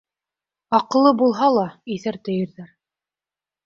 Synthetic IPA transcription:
ɑqɤ̆lˠːɤbulˠɦɑlˠɑiθæɾt̪ɘ̆jɘ̆ɾðæɾ

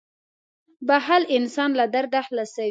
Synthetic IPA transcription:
baɦalɪnsɑnlad̪aɾd̪ahlasa

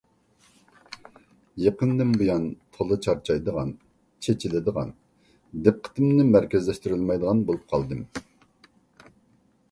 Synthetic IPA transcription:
jeqənd̪ɪmbojɑnt̪ʰolˠɨt͡ʃʰɑɾt͡ʃʰɑjd̪əʁɑ̰n | t͡ʃʰet͡ʃʰilɪd̪əʁɑ̰n | d̪ɛp̚qʰə̥t̪ɪmnɪmæɾkʲɪzlɛʃt̪ɪɾɪlˠmɑjd̪əʁɑnbolˠup̚qʰɑlˠd̪ɨm

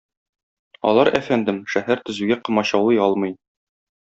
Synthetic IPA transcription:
ɒ̰lˠɑɾʔæfænd̪ɘmʃæhæɾt̪ɵ̆zʉɡæqɤ̆mɑɕɑwlˠɤjɒlˠmɤ̆j

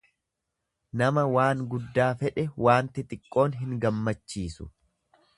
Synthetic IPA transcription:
nɐmɐwaːŋɡʊd̪ːaːfɛᶑɛwʔaːnt̪ɪt̪ʼɪkʼːo̞ːnɦɪŋɡɐmːɐt͡ʃːiːsʊ̥̰

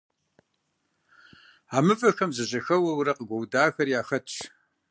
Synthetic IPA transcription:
aːmɨfʼɐxɐmzɐʑɐxɐwɐwɾɐqəɡʷɐwdaːxɐrjaːxɐtʼ

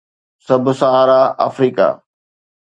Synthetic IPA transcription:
sɐbʱsɐɦaːɾaa̰ːfɾiːka̰ː

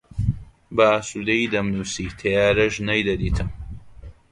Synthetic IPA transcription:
bɐaːsud̪ɐjid̪ɐmnuːsiːt̪ʰɐjaːɾɐʒnɐjd̪ɐd̪iːt̪ʰɨm

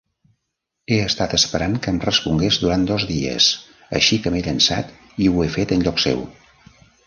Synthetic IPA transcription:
eəst̪at̪əspəɾaŋkəmrəspuŋɡezd̪uɾan̚d̪ɔzðiə̰s | ə̰ʃikəmeʎənsa̰t̪ | iwefet̪ənʎɔksḛw

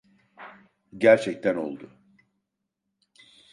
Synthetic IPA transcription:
ɟæɾt͡ʃʰɛc̚t̪ʰæno̞̰lˠd̪ʊ

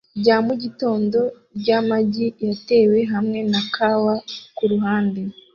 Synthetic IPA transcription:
ɟaːmuɟito̞ːndo̞ | ɟamaɟijate̞ːwe̞ɦamŋe̞nakʰawakuɾuɦaːnde

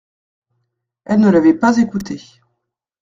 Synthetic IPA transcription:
ɛlnəlavɛpazekut̪e

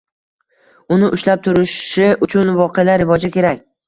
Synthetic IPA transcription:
ʊnɪʔʊʃlap̚t̪ʰʊɾɪʃɪʔʊt͡ʃʰʊnvɒqʰejalaɾɪvɒd͡ʒakʲe̞ɾakʲ

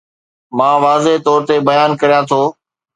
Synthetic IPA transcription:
mãːʋaːzeɦt̪ɔːɾt̪ebɐjaːnkɐɾijãt̪ʰoː

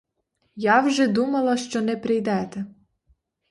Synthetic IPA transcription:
jɑwʒɛd̪umɐlˠɐʃt͡ʃɔnɛpɾɪjd̪ɛt̪ɛ

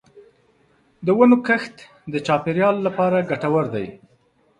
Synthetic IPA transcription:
d̪əwanokəxt̪ | d̪ət͡ʃɑpeɾjɑlːapɑɾaɡaʈawaɾd̪aj

